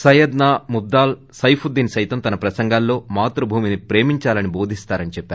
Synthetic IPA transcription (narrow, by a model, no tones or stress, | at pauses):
sɐjɐd̪naːmud̪ːaːl | sɐjpʰud̪ːiːnsɐjt̪ɐmt̪ɐnɐpɾɐsɐŋɡaːlːo̞ːmaːt̪ɾɐbʱuːminipɾe̞ːmiɲt͡ʃaːlɐnibo̞ːd̪ʱist̪aːɾɐnit͡ʃɛpːaːɾ